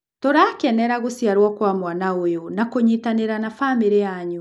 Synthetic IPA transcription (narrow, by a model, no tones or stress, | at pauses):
toɾaːkɛnɛɾaɣosijaɾwɔkwamwanaojonakoɲitaneɾanafameɾeaɲu